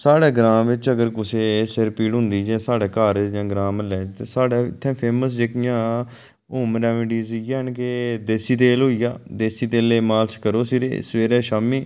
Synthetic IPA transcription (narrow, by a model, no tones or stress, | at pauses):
saːɽɛːɡɾãːmʋɪt͡ʃəɡəɾkʊseːsɪɾpiːɽɦʊ̃nd̪iːd͡ʒɛ̃ːsaːɖɛːkaːɾd͡ʒãːɡɾaːmlɛːd͡ʒt̪eːsaːɖɛːɪ̰t̪ʰːɛ̃ːpʰeːməsd͡ʒeːkɪjãː | ʊːmɾɛːmɪʈiːzjaːɦənked̪eːsiːt̪eːlɦoːiːjaːd̪eːsiːt̪eːleːmaːlt͡ʃkəɾoːsiɾḛːsʋeːɾɛːʃaːmiː